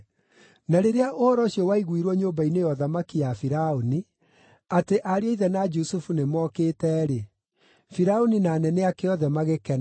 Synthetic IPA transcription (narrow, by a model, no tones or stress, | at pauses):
naɾeɾeaʔoɾɔʃiɔwaiɣwiɾwɔɲoːmbainejɔðamakijafiɾaoni | ateʔaɾeɔiðɛnad͡ʒusufunemɔkeːtɛːɾe | fiɾaoninaːnɛnɛakeɔðɛmaɣekɛna